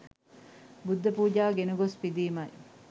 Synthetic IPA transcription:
bud̪ːɐpuːd͡ʒaːɡenuɡospid̪iːmɐj

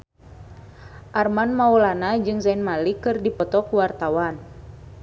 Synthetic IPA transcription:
ʔarmanmaulanad͡ʒɨŋsainmalikɨrdipɔt̪ɔkuwart̪awan

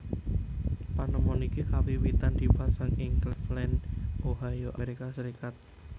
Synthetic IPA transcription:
panəmɔnikihawiwit̪and̪ibasaŋɪŋklɛflɛnʔoɦajoʔaeɾikasəɾikat̪̚

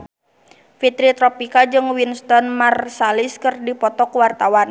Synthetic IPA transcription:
fit̪ɾit̪ɾɔpikad͡ʒɨŋwinst̪ɔnmarsaliskɨrdipɔt̪ɔkwart̪awan

